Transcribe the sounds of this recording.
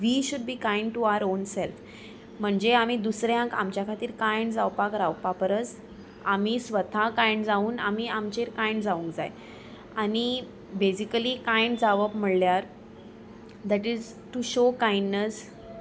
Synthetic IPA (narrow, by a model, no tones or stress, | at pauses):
ʋiɕuɖbiːkãj̃ɳɖ̚ʈuaʋəɾonsɛlf | m̤əɳd͡zeam̤iːd̪usɾjãka̰mt͡ɕjakʰat̪iːɾkajɳɖd͡zawpakɾawpapəɾət͡s | amisʋət̪ʰakãjɳɖd͡zauːna̰m̤iamt͡ɕeɾkãjɳɖd͡zaũŋkd͡zaj | añi | besikəlikãjɳɖd͡zaʋəpm̤əɭljaɾ | d̪æʈid͡z | ʈuɕokãjɳɖnəs